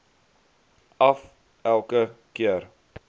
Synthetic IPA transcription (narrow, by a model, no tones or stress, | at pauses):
ɐf | ʔælˠkəkiər